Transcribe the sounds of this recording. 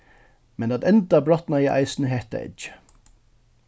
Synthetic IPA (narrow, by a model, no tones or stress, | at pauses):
mɛnɑt̪ɛnd̪ɑbɾɔt̪nɑiʔæ̰ɪsn̩əɦeːt̪ə̰ʔɪ̰t͡ʃə̥